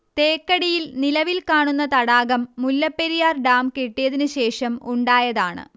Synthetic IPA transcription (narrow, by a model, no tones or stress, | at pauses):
t̪e̞ːkːɐɽijilnilɐʋilkaːɳunːɐt̪ɐɽaːɣɐmːulːɐpːeɾijaːrɖaːmkeʈːijɐðinɨɕe̞ːʂɐmuɳɖaːjɐðaːɳɨ̰